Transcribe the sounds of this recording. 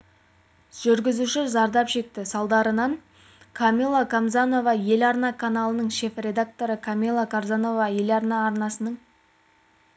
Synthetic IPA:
ʒ̥ʏɾɡʲɪzuʃɪzɑɾd̪ɑpʃe̞k̚t̪ɪsɑlˠd̪ɑɾənɑɴ | kʰamʲilˠːakʰamzano̞vɑje̞lɑɾnɑkʰanɑlˠənəɴʃe̞frʲe̞d̪ak̚t̪o̞ɾəkʰamʲilˠːakʰaɾzano̞vɑje̞lɑɾnɑːɾnɑsənəɴ

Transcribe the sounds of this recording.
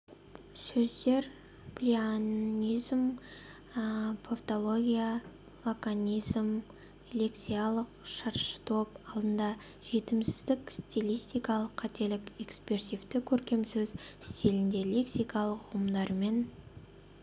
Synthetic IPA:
sɵzd̪e̞ɾ | plʲianʲijzm | pʰoft̪o̞lˠo̞ɡʲija | lˠokanʲijzm | lʲe̞ksijalˠəqʃɑɾʃə̥t̪ʰo̞pɑlˠd̪ənd̪ɑ | ʒ̥e̞t̪ɪmsɪ̥zd̪ɪkst̪ʲilʲijst̪ijkɑlˠəqʰːɑt̪e̞lɪke̞kspʲeɾsift̪ɪkʲʰɵɾkʲe̞msɵzɪst̪elɪnd̪e̞lʲe̞ksijkɑlˠəqʊəmd̪ɑɾme̞n

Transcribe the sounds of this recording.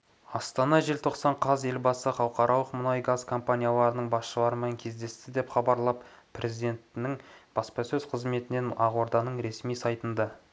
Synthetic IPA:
ɑst̪ɑnɑʒelt̪ʰo̞qsɑɴqʰɑze̞lbɑsəχɑw̪ˠqɑɾʔɑlˠəqmʊnɑjɡazkʰo̞mpanʲijalˠɑɾənəɴbɑsʃəlˠɑɾəmeŋkʲʰe̞zd̪e̞st̪ɪd̪e̞pχɑbɑɾlˠɑpʰ | rʔe̞zijd̪e̞nt̪nɪŋb̥ɑspɑsɵz̥qʰəzme̞t̪ɪne̞nɑʁwo̞ɾd̪ɑnəɴɾe̞smijsɑjt̪ənd̪ɑ

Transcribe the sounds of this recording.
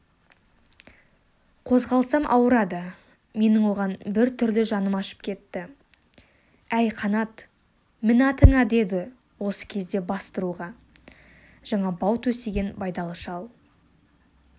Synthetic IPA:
qʰo̞zʁɑlˠsɑmʔɑ̰wəɾɑd̪ə | me̞nɪŋwo̞ʁɑnbɪɾt̪ʰʏɾlɪʒɑnəmɑʃə̥p̚kʲʰe̞t̪ːɪ | æjqʰɑnɑt̪ | mɪnɑt̪ʰəŋɑd̪e̞d̪ɪ | wo̞sə̥kʲʰe̞zd̪e̞bɑst̪əɾuʁɑ | ʒ̥ɑɴɑbɑwt̪ʰɵse̞ɡʲe̞nbɑjd̪ɑlˠəʃɑlˠ

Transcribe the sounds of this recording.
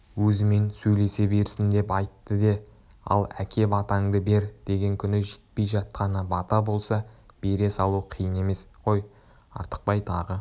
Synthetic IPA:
wɵzɪme̞nsɵjle̞se̞be̞ɾsɪnd̪e̞pɑjt̪ːəd̪e̞ | ɑ̰lˠækʲʰe̞bɑt̪ɑŋd̪əbe̞ɾd̪̥e̞ɡʲe̞ŋkʲʰʏnɪʒe̥t̪̚pe̞jʒɑt̪̚qɑnəbɑt̪ɑbo̞lˠsɑb̥e̞ɾe̞sɑlˠuqʰijəne̞me̞sqʰo̞j | ɑ̰ɾt̪ə̥q̚pɑjt̪ʰɑʁə

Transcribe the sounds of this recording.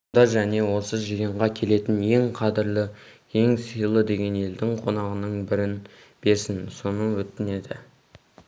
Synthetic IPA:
d̪ɑʒæne̞wo̞səʒijəɴʁɑkʲʰe̞le̞t̪ɪnje̞ŋqʰɑd̪ɪɾlɪ | e̞ŋsijlˠəd̪e̞ɡʲe̞ne̞ld̪ɪŋqʰo̞nɑʁənəɴbɪɾɪn | b̥e̞ɾsɪnso̞nəwɵt̪ːɪne̞d̪ɪ̰

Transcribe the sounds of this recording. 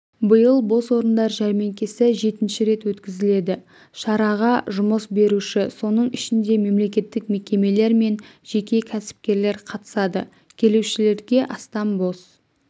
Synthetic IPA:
bəjəlˠbo̞swo̞ɾənd̪ɑɾʒæɾmeŋkʲesɪʒe̞t̪ɪnʃɪɾe̞t̪wɵt̪kʲɪzɪle̞d̪ɪ | ʃɑɾɑʁɑʒʊməsbe̞ɾuʃɪso̞nəɴɪʃɪnd̪e̞me̞mle̞kʲe̞t̪ːɪkme̞kʲe̞me̞le̞ɾme̞nʒ̥e̞kʲe̞kʲʰæsɪ̥p̚kʲe̞ɾle̞ɾqʰɑt̪ə̥sɑd̪ə | kʲʰe̞lewʃɪle̞ɾɡʲe̞ʔɑst̪ɑmbo̞s

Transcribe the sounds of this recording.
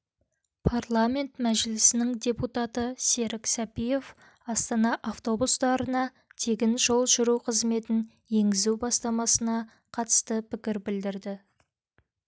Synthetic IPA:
pʰarlˠamʲe̞nt̪mæʒɪlɪsɪnɪŋd̪ʲe̞put̪at̪əse̞ɾɪksɑpije̞f | ɑst̪ɑnɑʔaft̪o̞bust̪ɑɾənɑ | t̪ʰe̞ɡʲɪnʒo̞lˠʒʏɾuqʰəzme̞t̪ɪn | je̞ŋɡʲɪzuwbɑst̪ɑmɑsənɑ | qʰɑt̪ə̥st̪əpʰɪkʲɪɾbɪld̪ɪɾd̪ɪ

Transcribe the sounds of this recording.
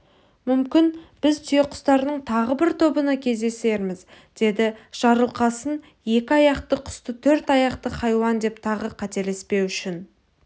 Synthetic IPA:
mʏmkʲɪnb̥ɪzt̪ʰʏjeqʰʊ̥st̪ɑɾnəɴt̪ʰɑʁəbɪɾt̪ʰo̞bənɑkʲʰe̞zd̪e̞se̞ɾmɪz | d̪̥e̞d̪ɪʒ̥ɑɾəlˠqɑsən | je̞kʲɪɑjɑqt̪əqʰʊ̥st̪ət̪ʰɵɾt̪ɑjɑqt̪əχɑjwɑnd̪e̞pt̪ʰɑʁəqʰɑt̪e̞le̞spe̞wʏʃɪn

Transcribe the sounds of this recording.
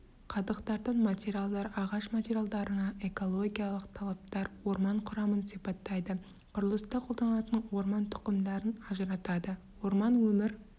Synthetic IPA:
qʰɑd̪əqt̪ɑɾd̪əɴmat̪ʲeɾijalˠd̪ɑɾɑʁɑʃmat̪ʲeɾʲjalˠd̪ɑɾənɑʔe̞ko̞lˠo̞ɡʲijalˠəqt̪ʰɑlˠɑp̚t̪ɑɾwo̞ɾmɑɴqʰʊɾɑmənsipɑt̪ːɑjd̪ə | qʰʊɾəlˠəst̪ɑqʰold̪ɑnlˠɑt̪ənwo̞ɾmɑnt̪ʰʊ̥qəmd̪ɑɾənɑʒəɾɑt̪ɑd̪ə | wo̞ɾmɑnwɵmɪɾ

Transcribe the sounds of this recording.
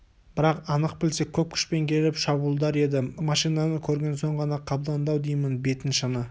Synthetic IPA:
b̥ɪɾɑqɑnəq̚pɪlse̞kʲʰɵp̚kʲʰʏ̥ʃpe̞ŋkʲʰe̞lɪpʃɑbuːlˠd̪ɑɾe̞d̪ɪmɑʃijnɑnəkʲʰɵɾɡʲe̞nso̞ɴʁɑnɑqʰːɑbd̪ɑnd̪ɑwd̪ijmɪnbe̞t̪ɪnʃənə

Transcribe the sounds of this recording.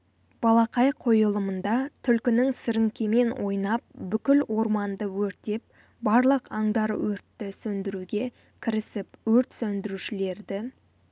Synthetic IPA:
b̥ɑlˠɑqɑjqʰo̞jəlˠəmənd̪ɑt̪ʰʏlkʲɪnɪŋsɪɾɪŋkʲeme̞nwʔo̞jnɑp̚bʏkʲɪlwo̞ɾmɑnd̪əwɵɾt̪e̞p̚ | bɑɾlˠəqɑɴd̪ɑɾwɵɾt̪ːɪsɵnd̪ɪɾuɡʲe̞ | kʲʰɪɾɪsɪpwɵɾt̪sɵnd̪ɪɾuʃɪle̞ɾd̪ɪ

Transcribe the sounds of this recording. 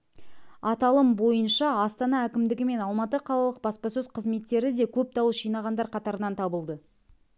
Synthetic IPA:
ɑt̪ɑlˠəmbo̞jənʃɑɑst̪ɑnɑækʲɪmd̪ɪɡʲɪme̞nɑlˠmɑt̪əqʰɑlˠɑlˠəq̚bɑspɑsɵzqʰəzme̞t̪ːe̞ɾɪd̪e̞kʲʰɵp̚t̪ʰɑwəʃijnɑʁɑnd̪ɑɾqʰɑt̪ɑɾənɑnt̪ʰɑbəlˠd̪ə

